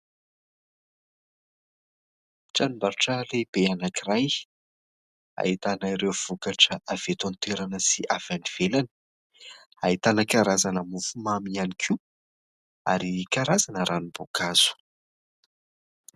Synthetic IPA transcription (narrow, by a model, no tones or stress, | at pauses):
ʈ͡ʂanumbaɾuʈ͡ʂəleb̥eanakiraj | a̰it̪anaiɾewv̥ukaʈ͡ʂəʔav̥et̪ont̪eɾanəsiʔav̥aniv̥elanə̥ | ait̪anəkaɾazanəmufumamianikʰi | a̰ɾikaɾazanəɾʔanubokaz̥u̥